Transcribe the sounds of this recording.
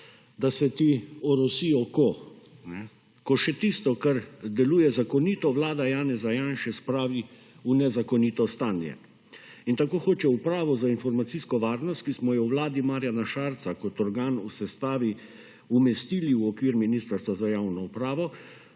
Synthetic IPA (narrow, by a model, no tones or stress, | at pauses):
d̪asɛt̪iɔɾɔsijɔkɔnɛ | kɔʃɛt̪ist̪ɔkaɾd̪ɛluːjɛzakɔniːt̪ɔʋlaːd̪ajaːnɛzajaːnʃɛspɾaːʋi | unɛzakɔnit̪ɔst̪aːnjɛ̰ | int̪akoːxoːt͡ʃɛupɾaːʋɔzainfɔɾmat̪siːskɔʋaːɾnɔst̪̚kismɔjɛwʋlaːd̪imaːɾjanaʃaːɾt̪sakɔt̪ɔɾɡaːnusɛst̪aːʋi | umɛst̪iliuɔkʋiːɾminiːst̪aɾst̪ʋazajaːwnɔupɾaːʋɔ